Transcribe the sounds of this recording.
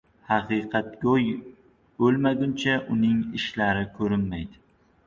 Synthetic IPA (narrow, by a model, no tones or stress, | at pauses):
hɑqɨqʰɑt̪̚ɡʲoj | bɵlmaɡʲʊnt͡ʃʰaʔʊnɪŋɪʃlaɾɪkʰɵɾɪnmajd̪ɪ